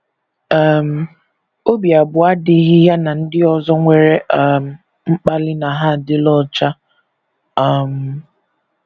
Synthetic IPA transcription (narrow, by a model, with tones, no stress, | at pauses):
a˦m̩˦ | o˦bi˨a˨bʊ˨a˦dɪ˦ɦɪ˦ja˦na˨n̩˦dɪ˦ɔ˨zɔ˦ŋʷe˨ɾe˦ʔm̩˦˨ | ŋ͡m̩˦k͡pa˦lɪ˦na˨ɦa˦˨dɪ˦lɔ˦t͡ʃa˦ | a˦˨m̩˨